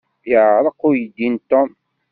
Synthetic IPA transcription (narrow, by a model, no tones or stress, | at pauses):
jəɾˤəqːujəd̪int̪ɔm